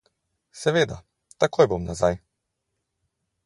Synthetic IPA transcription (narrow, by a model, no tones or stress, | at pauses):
sɛʋeːd̪a̰ | t̪akoːjbomnazaj